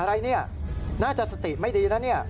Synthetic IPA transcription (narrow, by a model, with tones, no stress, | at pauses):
a˧ɾa˧jni˦a˨ | na˦t͡ʃa˧sat̪i˨ma˦jd̪i˧jɾa˦ni˦ja˨